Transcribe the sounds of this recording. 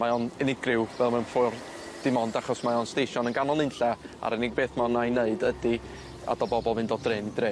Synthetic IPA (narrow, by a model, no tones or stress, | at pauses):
maɔnɛnɪɡrɪwvɛlˠmanfʊr | d̥ɪmɔndaχɔsmajɔnsteʃɔnənɡanɔlˠɨnɬɛ | a̰ɾɛnɪɡ̚beːθmaɔnajneɨdədi | a̰dɔbɔbɔlˠvɨndɔdreːnidre